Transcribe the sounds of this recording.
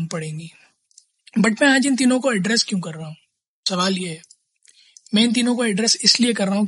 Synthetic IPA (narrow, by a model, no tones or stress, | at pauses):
mpɐɽẽːŋɡiː | bɐʈmɛ̃aːd͡ʒɪ̃nt̪̬iːnõkoɛɖɾɛːskjũːkɐɾːaɦũː | sɐʋaːljeɦɛː | mɛ̃ɪnt̪̬iːnõkoɛɖɾɛːsɪsliekɐɾːaːɦũ